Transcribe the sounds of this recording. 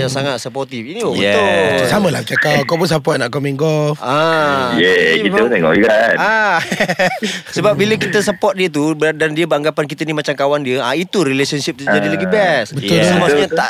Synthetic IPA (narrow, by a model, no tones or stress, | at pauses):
jaŋsaŋat̪̚səpɔrt̪ifiniobɛʊsamə̃lahbət͡ʃakakɔpunsapɔt̪̚naʔkɔmĩnɡɔlfajɛkiət̪ɛŋɔ̰ʔiɡana | səbap̚biləkit̪əsəpɔt̪̚diət̪ubədandiəbəaŋɡapank̬it̪ənimat͡ʃamkawandiəait̪uɾilesɔnsip̚t̪ud͡ʒadilaɡibɛsbəʊlsəmaɲət̪aʔ